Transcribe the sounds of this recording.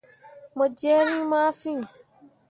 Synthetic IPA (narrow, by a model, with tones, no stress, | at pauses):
mɔ˨d͡ʒɛː˦ɾĩ˦maː˦fĩ˦